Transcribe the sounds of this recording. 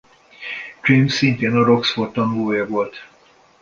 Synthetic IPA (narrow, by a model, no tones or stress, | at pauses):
ɡ̥rimsːint̪eːnɒɾoksfort̪ɒnvoːjɒvolt̪